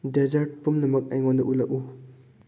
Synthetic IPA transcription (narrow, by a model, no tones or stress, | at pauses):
ded͡ʒaɾt̚pumnɐmɐk̚ajŋɔndɐʔulɐk̚u